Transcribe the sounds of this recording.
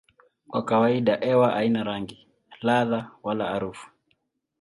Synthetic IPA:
kwakawaiɗaʔɛwaʔainaɾaŋɡi | laðawalaːɾufu̥

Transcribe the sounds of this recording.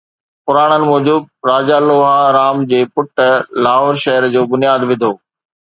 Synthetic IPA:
pʊɾaːɽ̃ənɪ̆mɔːd͡ʑub̚ɾaːd͡ʑaːloːɦaɾaːmd͡ʑeːpʊʈəlaːɦoːɾʃɐɦəɾd͡ʑoːbʊnijaːd̪ʋɪ̃nd̪ʱoː

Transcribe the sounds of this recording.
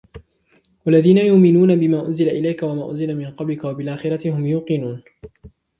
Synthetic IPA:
walːaðiːnajʊʔmɪnuːnabɪmaːʔʊnzɪlaʔɪlajkawamaːʔʊ̰nzɪlamɪnqɑblɪkawabɪlʔaːxɪɾˤɑt̪ɪhʊmjuːqɨnuːn

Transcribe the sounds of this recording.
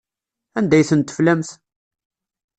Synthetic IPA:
ænd̪æjθənt̪ːə̥flæmθ

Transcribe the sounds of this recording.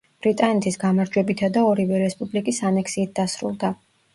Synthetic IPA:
b̥ɾit̪ʼanɛt̪ʰisɡamaɾd͡ʒwɛbit̪ʰad̪aɔɾivɛɾɛspʼublikʼisanɛkʰsiːt̪̚d̪̥asɾṵlˠd̪a

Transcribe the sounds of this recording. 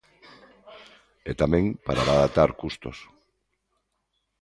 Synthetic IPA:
et̪amẽŋpaɾaβaðat̪aɾkust̪os

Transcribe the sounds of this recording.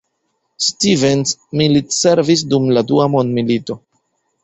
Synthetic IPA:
stivensmilitseɾvis̬dumladuamo̞ndmilito̞

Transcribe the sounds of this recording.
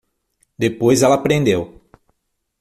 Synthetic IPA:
d̪epojzɛlɐapɾẽnd̪ew

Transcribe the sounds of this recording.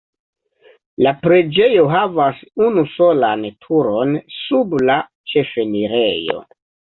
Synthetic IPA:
lapɾe̞d͡ʒe̞jo̞ɦavasunuso̞lantʰuɾo̞nsubla | t͡ʃe̞fe̞niɾe̞jo̞̰

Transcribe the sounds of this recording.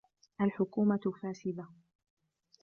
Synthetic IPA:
ʔalħʊkuːmafaːsɪd̪a

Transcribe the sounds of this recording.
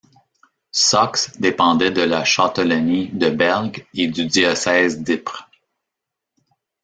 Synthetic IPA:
sɔksd̪epɑ̃d̪ɛd̪əlaʃɑt̪ɔlɔnid̪əbɛʁɡed̪yd̪iɔsɛːzd̪ɪpʁ

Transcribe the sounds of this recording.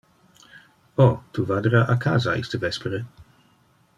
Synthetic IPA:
otʰuvadəɾaʔakʰa̰zaʔḭstəvɛspɛɾə

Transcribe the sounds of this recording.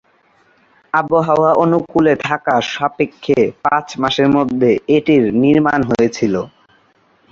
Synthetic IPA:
aboɦaoaʔonukulet̪ʰakaʃapekʰːepãt͡ɕmaʃeɾmod̪ʱːeeʈiɾniɾmanɦojet͡ɕʰilo

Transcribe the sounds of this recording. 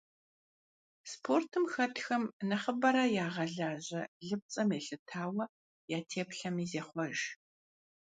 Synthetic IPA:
spʰortʰɨmxɐtʰxɐmnɐχəbɐɾɐjaːʁɐɮaːʑɐɮɨp̚t͡sʼɐmeːɬɨtʰaːwɐ | jaːtʰeːpɬɐmiːzeːχʷɔʒ

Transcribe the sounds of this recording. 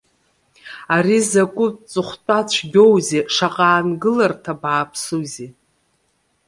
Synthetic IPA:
aɾizakʷʼʊt͡sʼɨχʷtʼat͡ɕʷʰɡʲowzeʂaqʼaːnɡɨlartʰabaːpʰsuzi

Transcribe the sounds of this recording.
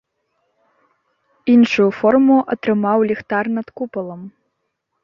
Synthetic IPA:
inʂujufɔrmuʔɐt̪ɾɨmawlʲixt̪arnɐt̪kupɐlˠɐm

